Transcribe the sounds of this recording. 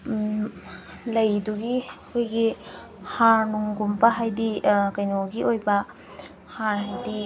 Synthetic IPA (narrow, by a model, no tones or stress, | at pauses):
lɐjduɡikʰojɡi | haɾnuŋɡumpɐɦajdikɐjnoɡiʔojbɐ | haɾhajdi